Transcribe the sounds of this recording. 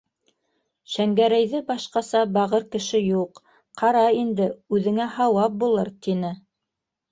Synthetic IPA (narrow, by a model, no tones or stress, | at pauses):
ʃæŋɡæɾæjðɘbɑʃqɑsɑbɑʁɤɾkɘ̆ʃɘjuq | qɑɾɑind̪ɘʉðɘ̆ŋæhɑwɑp̚bulˠɤɾt̪inɘ